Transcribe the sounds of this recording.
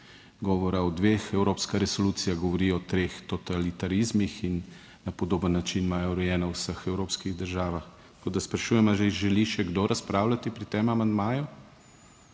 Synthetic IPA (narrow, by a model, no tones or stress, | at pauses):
ɡɔːʋɔɾaɔd̪ʋeːxɛwɾoːpskaɾɛsoluːt̪sijaɣɡɔʋɔɾiɔːt̪ɾeːxt̪ɔt̪alit̪aɾizmixinː | apɔd̪oːbənːat͡ʃinmaːjɔɾɛjɛːnawsəxɛwɾoːpskiɣd̪əɾʒaːʋaxtt̪koːd̪aspɾaʃuːjɛmaʒeʒɛliʃɛɡd̪oɾaspɾawlat̪ipɾit̪eːmamand̪maːju